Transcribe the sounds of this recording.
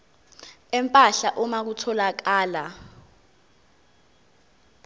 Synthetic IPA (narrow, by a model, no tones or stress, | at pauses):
ɛmpʼaɬaʔɔmak̬utʰɔlak̬aːla